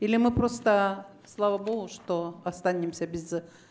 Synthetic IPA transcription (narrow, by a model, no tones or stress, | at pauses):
ilʲɪmɨpɾost̪ə | slˠavəboɡʊʂt̪oɐst̪anʲɪmsʲəbʲɪz